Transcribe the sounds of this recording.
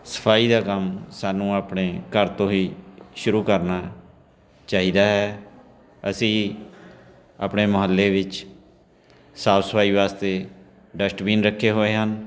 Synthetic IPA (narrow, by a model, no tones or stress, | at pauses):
sə̥pʰaːiːd̪aːkəmsaːnũːaːpɳeːkəɾt̪õːiːʃʊɾuːkəɾnaː | t͡ʃaːɦiːd̪aːɦɛː | əsĩː | a̰ːpɳeːməɦəlːeːʋɪt͡ʃ | saːbsəpʰaːiːʋaːst̪eː | ɖəsʈbiːnɾəkʰːeːɦoːeːɦən